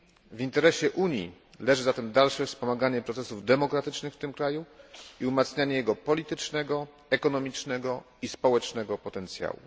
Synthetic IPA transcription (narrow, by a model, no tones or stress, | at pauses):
vint̪ɛɾɛɕɛʔuɲjḭ | lɛʐɘzat̪ɛmd̪alʂɛfspɔmaɡaɲɛpɾɔt̪sɛsuvd̪ɛmɔkɾat̪ɘt͡ʂnɘxft̪ɘmkɾajuiumat̪sɲaɲɛjɛɡɔpɔlʲit̪ɘt͡ʂnɛɡɔ | ɛkɔnɔmʲit͡ʂnɛɡɔ | ispɔwɛt͡ʂnɛɡɔpɔt̪ɛnt̪sʲja̰wṵ